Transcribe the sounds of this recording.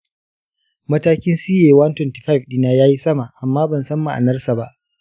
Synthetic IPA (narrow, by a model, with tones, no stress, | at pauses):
mɐ˦taː˦kʲɪ˦nsiː˦ʔeː˨wa˦ntɛ˨nti̥˨ɸa˦˨vɗiː˨naː˨jaː˦ji˦sɐ˦ma˨ʔa˨mːaː˦bɐ˨nsɐ˦mːa˨ʔa̰˨nɐ˦rsa˨ba˦ʔ